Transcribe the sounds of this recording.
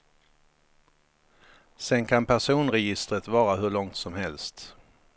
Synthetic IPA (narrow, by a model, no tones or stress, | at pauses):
sɛnkʰanpʰæʂuːnɾɛjɪst̪ɾət̪vɑːɾaɦɵɭɔŋt̪sɔmhɛlst̪